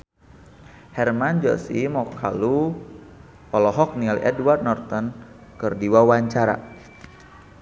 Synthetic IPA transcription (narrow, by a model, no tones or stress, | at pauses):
hɛrmand͡ʒɔ̰simɔkʰalu | ɔlɔɦɔk̚nialiʔɛdward̪̚nɔrt̪ɔn | kɨrdiwawaɲt͡ʃaɾa̰